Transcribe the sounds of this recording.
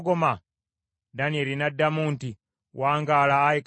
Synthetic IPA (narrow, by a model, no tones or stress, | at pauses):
ɡoma | danieɾinadːamuːnti | waːŋɡalaːik